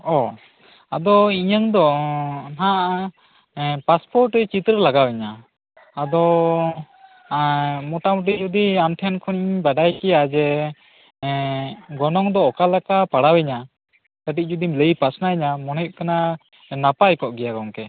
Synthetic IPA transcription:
ɔ | ad̪ɔiɲəŋd̪ɔnaʔ | paspɔɾʈt͡ʃit̪ɾəlaɡawɛɲa | ad̪ɔ | mɔʈamuʈ̬id͡ʒɔd̪iamʈʰɛnkʰɔniɲbaɖajkɛjad͡ʒɛ | ɡɔnɔŋd̪ɔːkalakapaɽawɛɲa | t̪əʈic̚d͡ʒɔd̪imləjpasnaiɲamɔnip̚kana | napajkɔʔɡɛjaɡɔŋkɛ

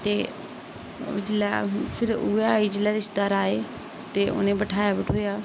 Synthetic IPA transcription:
t̪eː | d͡ʒɪlaːpʰɪɾuaːiːd͡ʒɪlːaːɾɪʃd̪aːɾaːeː | t̪eːʔʊ̰nẽːbəʈʰaːjaːbɪʈʰɦoːjaː

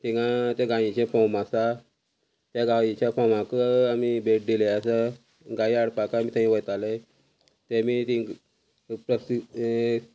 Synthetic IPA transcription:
t̪iɡãt̪ẽɡãĩt͡ɕẽfɔmasa | t̪jaɡait͡ɕafɔmãkəamibeʈ̚d̪ileasa | ɡãiaɽpakamiːt̪ãĩʋəjt̪ale | t̪ẽmit̪ĩ | pɾəsi

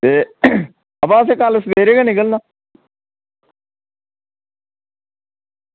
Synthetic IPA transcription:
t̪eː | əpãːəs̬ẽːkaləsb̪eːɾeːɡaːnɪkəlnaː

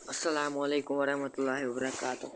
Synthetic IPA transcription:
ʔɐsːɐlaːmɐleːkʊmwɐɾɐhmɐt̪ʊlːaːɦiwɐbɐɾɐkaːt̪ʊ

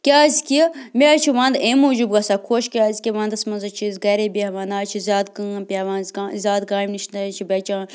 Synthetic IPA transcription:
kʲaːzkʲimʲeat͡ʃʰiʋãːnd̪eːmuːd͡ʒubɡɐsaːkʰoʃkʲaːzʲkʲiʋãːnd̪ɐsmɐnzɐt͡ʃʰizɡɐɾeːbʲiɐʋaːnaːt͡ʃʰizʲaːd̪kãpʲaːʋãːnzazʲaːd̪̚ɡaːmniʃnd̪ɐt͡ʃʰibʲɐt͡ʃaː

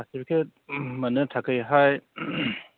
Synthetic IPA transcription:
asibkʰemɐnɯtʰakɯjɦaj

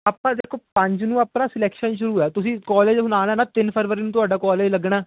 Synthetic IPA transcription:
aːpãːd̪eːkʰoːpə̃ɲd͡ʒnũːaːpnaːsɪlɛːkʃənʃʊɾuːɛːt̪ʊsĩːkɔːleːd͡ʒsʊnaːnɛːnaːt̪ɪnpʰəɾʋəɾiːnũːt̪ʊaːɖaːkɔːleːd͡ʒləɡɽaː

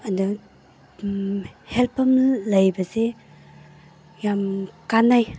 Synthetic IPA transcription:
ɐndu | helpʰɐmlɐjbɐse | jamkanːaj

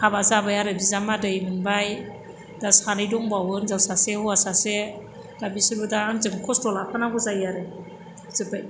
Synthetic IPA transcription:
kʰabazabajaɾɯbizamadɯjmɯnbaj | dasanɯjdɔŋbawɯnzawsasehɔasase | d̥abisɯɾbɯdanzɯŋkʰɔstɔlapʰanaɡɔzaijaɾe | zɯbaj

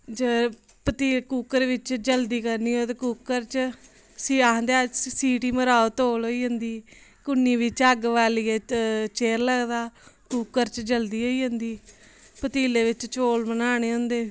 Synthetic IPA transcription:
d͡ʒə | pət̪iːkuːkəɾʋɪt͡ʃd͡ʒəld̪iːkəɾniːɦoːt̪ekuːkːəɾt͡ʃ | siːaɦnd̪eːasiːʈiːməɾaːot̪oːlɦoːiːɦənd̪iː | kʊnːiːʋɪt͡ʃəɡʋaːliːeːt͡ʃeːɾləɡd̪aːkuːkːəɾt͡ʃd͡ʒəld̪iːɦoːiːɦə̃nd̪iː | pət̪iːleːʋɪt͡ʃt͡ʃoːlmənaːneːɦʊ̃nd̪eː

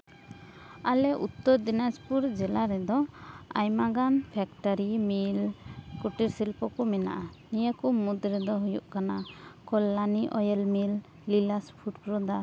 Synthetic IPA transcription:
alɛʔut̪ːɔɾd̪inaspuɾd͡ʒɛlaɾɛd̪ɔa̰jmaɡanpʰɛkʈɔɾimilkuʈiɾsilpɔkɔmɛna̰ʔanijakɔmud̪ɾɛd̪ɔɦujuʔkanakɔlːaniʔɔjɛlmilː | ilaspʰuʈ̚pɾɔd̪a

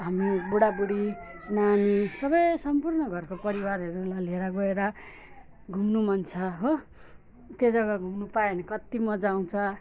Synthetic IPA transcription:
ɦamibuɽabuɽinanisʌbʌjsʌmpurnʌɡʱʌrkopʌɾiwaɾʌɾulaleɾʌɡʌeɾʌ | ɡʱumnumʌnt͡sʰʌɦo | t̪jed͡zʌɡʌɡʱumnupaenʌkʌt̪imʌd͡zaw̃t͡sʰʌ

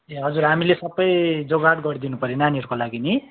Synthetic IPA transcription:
eɦʌd͡zuɾɦamilesʌbʌjd͡zoɡaʈɡʌɾid̪inupʌɾenaniʌrkolaɡini

